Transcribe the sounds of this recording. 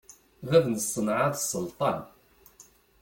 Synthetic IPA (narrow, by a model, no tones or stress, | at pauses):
ðæðnəsˤːənʕaðsˤːəlt̪ˤɑn